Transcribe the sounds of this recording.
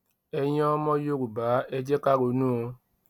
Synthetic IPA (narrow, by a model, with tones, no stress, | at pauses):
ɛ˧j̃ɛ̃˦ɔ˦mɔ̃˦jo˦ɾu˨ba˨˦ɛ˦d͡ʒɛ˦ka˦ɾo˨˦nũ˦o˧